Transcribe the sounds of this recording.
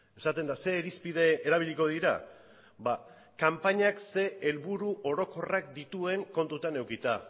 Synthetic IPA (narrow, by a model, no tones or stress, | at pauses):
e̞sat̪e̞nd̪ase̞ːɾispiðe̞eɾaβ̞iʎiko̞ð̞iɾa̰ | ba | kampaɲakse̞elβuɾuʔo̞ɾo̞ko̞rakd̪it̪ue̞ŋko̞nt̪ut̪ane̞wkit̪a